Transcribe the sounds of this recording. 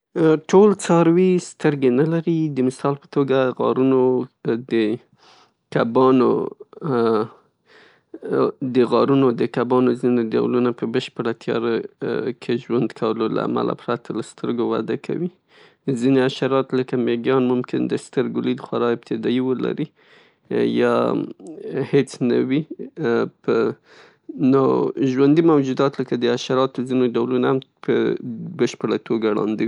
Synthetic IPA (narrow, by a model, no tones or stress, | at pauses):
ʈʰolt͡sɑɾwist̪əɾɡenalaɾid̪əmɪsɑlpə̥t̪oɡaɣɑ̰ɾunod̪ə | kabɑno̰ | d̪əɣɑɾunod̪əkabɑnozineɖa̰wlunapəbəʃpəɽat̪ʰjɑ̰ɾakʰeʒwand̪kʰawəlola̰a̰ma̰la̰pɾat̪ʰalast̪ʰəɾɡowa̰d̪akʰa̰wi | zineaʃaɾɑt̪ləkameɡjɑnmʊmkɪnd̪əst̪əɾɡʊlid̪xwaɾɑɪb̚t̪ʰɪd̪ɑiwəla̰ɾi | jɑ | het͡sna̰wi | pə | noʒwand̪imawd͡ʒud̪ɑt̪ləkad̪əaʃaɾɑt̪ozinoɖawlunahampəbəʃpəɽat̪ʰoɡaɽɑ̰nd̪əwi